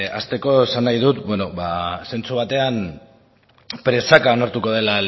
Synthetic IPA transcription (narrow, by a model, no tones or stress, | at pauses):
ast̪e̞ko̞esanːajðut̪bwe̞no̞βase̞nt͡suβ̞at̪e̞an | pɾe̞sakao̞naɾt̪uko̞ð̞e̞lal